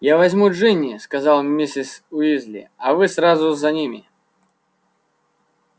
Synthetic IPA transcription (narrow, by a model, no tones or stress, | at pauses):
javɐzʲmuʐɨnʲɪskɐzalˠmʲisʲɪsʊizʲlʲɪ̰ɐvɨsrazʊzɐnʲimʲɪ